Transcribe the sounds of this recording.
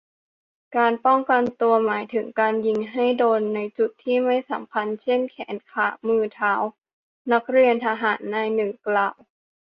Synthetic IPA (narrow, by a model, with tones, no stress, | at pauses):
kaː˧npɔ˥˩ŋka˧nt̪u˧ɐmaː˩˦jt̪ʰɯ˩˦ŋkaː˧nji˧ŋɦa˥˩jdoː˧nːa˧jt͡ɕu˨˩t̪ʰːiː˥˩ma˥˩jsa̰˩˦mpʰa˧nt͡ɕʰe˥˩nkʰɛ̰ː˩˦nkʰaː˧˩mɯː˧t̪ʰaː˦w | na˦˥k̚ɾi˧ənt̪ʰa˧ɦaː˩˦nːaː˧jnɯː˨˩˦klaː˨˩w